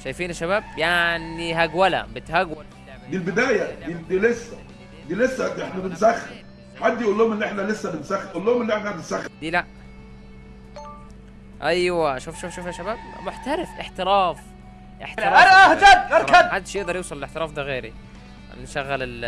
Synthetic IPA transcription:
ʃæjfiːnæʃːæbæːb̚jaʕniɦæɡwælæ̰bet̪hæɡwæl | d̪ilbed̪æːjæd̪id̪ilesːæ | d̪iːlesːæʔeħnæbensæxːem | ħad̪ːjʔulːohomenːiʔeħnælesːæbensæxːeʔulːohomelːiʔeħnæbensæxːd̪iːlæʔ | ʔæjwæʃuːfʃuːfʃuːfhæʃːæbæːbmoħt̪æɾefʔeħt̪eɾæːf | ʔḛħt̪ɾˤææʔæhædɣeɾkænħad̪ːʃjeʔd̪ɑɾˤjewsˤɑlelʔeħt̪eɾˤɑːfd̪æɣeːɾḭ | nʃæɣːælel

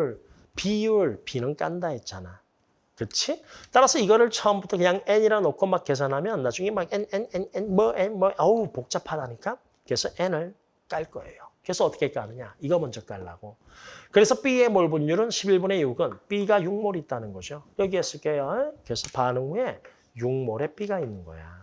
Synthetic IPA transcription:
ɭ | piɭpinɯnk͈a̰ndaɦet̚t͡ɕ͈ana | kɯt͡ɕʰit͈aɾasʰʌiɡʌɾɯɭt͡ɕʰʌmbutʰʌkɯɲaŋeɲiɾanokʰomak͈ːe̞s̬ʰanɦamjʌnːad͡ʑuŋemaɡenenenenmʌʔenmʌʔʌupok̚t͡ɕ͈apʰadaɲik͈a | kesʰuʔenɯɭ | k͈aɭk͈ʌ̰e̞̰jokesʰʌʌt͈ʌkʰek͈anɯɲaiɡʌmʌnd͡ʑʌk͈aɭːa̰ɡ̥o | kɯɾe̞sʰʌp͈iemoɭbuɲːuɾɯnɕʰibiɭbune̞uɡɯnp͈iɡajuŋmoɾit̚t͈anɯnɡʌɕʰiojʌɡiɦes͈ɯɭt͈ekesʰʌ̥panɯŋue̞ | juŋmoɾe̞p͈iɡainːɯnɡʌ̰ja̰

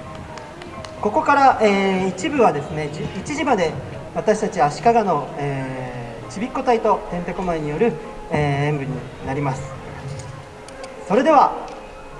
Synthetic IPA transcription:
ko̞ko̞kaɾaʔeːit͡ɕibɯ̟βad̪e̞sɨne̞it͡ɕiʑimad̪e̞ | βat̪aɕi̥t̪at͡ɕiaɕi̥kaɡano̞eː | t͡ɕibʲikːo̞t̪ait̪o̞t̪ẽ̞nt̪e̞ko̞maeɲ̟ijo̞ɾɯ̟ | eːẽ̞mbɯ̟ɲ̟i | naɾʲimasɨ̥ | so̞ɾe̞d̪e̞β̞a

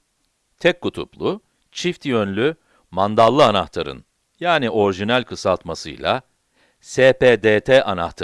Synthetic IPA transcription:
t̪ʰɛkkːut̪ʰṵplˠʊ | t͡ʃʰift̪jønlʲy | mand̪alˠːɯanaht̪ʰaɾɯ̰n | jaːniʔo̞ɾiʒinælʲkʰɯsalˠt̪masɯ̰jlˠa̰ | seːped̪eːt̪ʰɛʔana̰ht̪ʰa

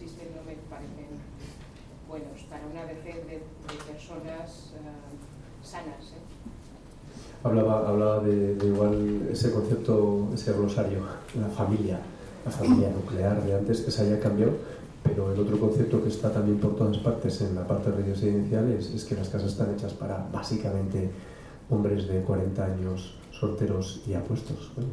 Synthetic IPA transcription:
sist̪enomepaɾeθen | bwenospaɾaunaβeθeððe | d̪epeɾsonas | sanase | aβlaβaːβlaβaðe̞ðeiɣwalḛse̞kõ̞n̟θep̚t̪oe̞sero̞saɾjolafamilja | lafamiljanukle̞aɾðe̞ant̪e̞sesaʝakambjaw | pe̞ɾo̞elo̞t̪ɾoko̞n̟θep̚t̪okest̪at̪amje̞mpo̞ɾt̪o̞ðaspaɾt̪e̞se̞nlapaɾt̪ereðjoseiiθjalese̞ske̞laskasasest̪ane̞t͡ʃaspa̰ɾaβasikamẽnt̪e̞ | o̞mbɾe̞zðe̞kwaɾe̞nt̪aaɲo̞sː | o̞ɾt̪e̞ɾo̞siapwe̞st̪o̞s

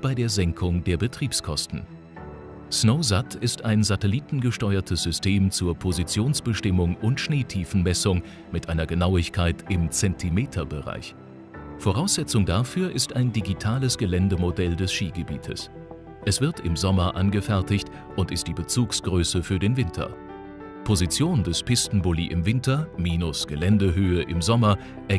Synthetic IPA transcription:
b̥aɪdeːɐzɛŋkʰʊŋdeːɐbətʁ̥iːpskʰɔstn̩ | snoʊzatʰɪstaɪnzatɛliːtn̩ɡəʃtɔʏɐtʰəsz̥ʏstʰeːmt͡suːɐpʰozit͡sjoːnsb̥əʃtɪmʊŋʔʊntʃneːtʰiːfn̩mɛsʊŋ | mɪtʔaɪnɐɡənaʊɪçkʰaɪtʰʔɪmt͡sɛntʰimeːtʰɐbəʁa̰ɪç | foʁaʊsz̥ɛt͡sʊŋdafyːɐʔɪstaɪndiɡitʰaːləsɡ̥əlɛndəmodɛldɛsʃiːɡəbiːtʰə̰s | ʔɛsv̥ɪɐtɪmzɔmɐʔanɡəfɛɐtɪçt | ʔʊntɪst̚d̥iːbət͡suːksɡ̥ʁøːsəfyːɐdeːnvɪntʰɐ̰ | pʰozit͡sjoːndɛspʰɪstn̩bʊlḭʔɪ̰mvɪntɐmiːnʊsɡ̥əlɛndəɦøːəʔɪmzɔmɐ | ʔɛɐ

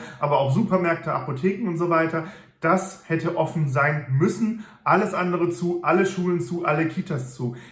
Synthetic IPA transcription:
ʔaːbɐaʊfz̥uːpɐmɛɐk̚tʰəa̰potʰeːkŋ̩ʊntz̥ovaɪtɐ | d̥ashɛtəʔɔfn̩zaɪnmʏsn̩ | ʔaləsʔandəʁət͡suːʔaləʃuːlənt͡suːʔaləkʰiːtast͡suː

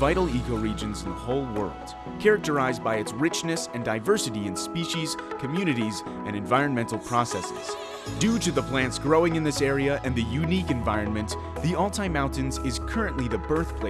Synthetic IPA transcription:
aɪɾl̩ˠikoʊɹid͡ʒɨ̃nz̃n̩ðəhoʊlˠwɜ̰˞lˠd̥ | kʰɛɹɨk̚tə˞aɪzbaɪɨtsɹɪt͡ʃnɨsɨ̃ndaɪvɜ˞sɨɾiɨ̃nspiʃiz̥kʰɨmjʉñɨɾiz | ɨ̃ñɨ̃ɱvaɪɹɨ̃nmɛ̃ntˡl̩ˠpʰɹ̥ɔsɛsɪ̰z̥ | d̥ʉɾɨðəpʰl̥æ̃ntsɡ̥ɹoʊɪ̃ŋɨ̃nðɪsɛɹiɨʔɨ̃nðɨjʉnikɨ̃ɱvaɪɹɨ̃nmɨ̃n | ðiɔlˠtʰaɪmãʊ̃ntɨ̃nzɪz̥kʰɜ˞ɨ̃nʔliðɨbɜ˞θpʰl̥e

